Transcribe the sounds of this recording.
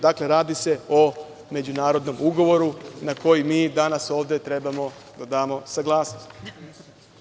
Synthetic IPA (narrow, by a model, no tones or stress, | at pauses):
d̪akle̞ɾaːd̪ise̞o | me̞d͡ʑunaːɾo̞d̪no̞muɡo̞ʋo̞ɾunako̞jimiːd̪anaso̞ːʋd̪e̞t̪ɾe̞bamo̞d̪ad̪aːmo̞saɡlˠaːsnostt̪